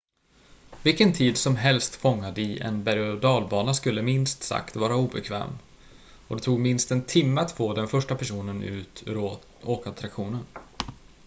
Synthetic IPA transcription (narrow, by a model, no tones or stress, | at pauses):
vɪlkənt̪ʰiːd̪sɔmɦɛlst̪fɔŋːad̪əɪʔɛ̰nbæɾd̪ɑːlbɑːnaskɵlːəmɪnst̪sa̰kt̪vɑːɾauːbɛkʰvɛ̰ːm | ɔd̪ɛt̪ʰuːɡmɪnst̪ɛnt̪ʰɪmːəat̪foːd̪ɛnfœʂʈapʰæʂuːnənʉ̟̰ːt̪ʰɾ | oːkat̪ʰɾakɧuːnən